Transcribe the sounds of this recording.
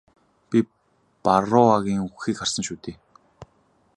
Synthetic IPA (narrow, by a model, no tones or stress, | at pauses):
pʲi | paɾʊaɣʲiːŋuxiːkχar̥sə̆nʃuːt̪eː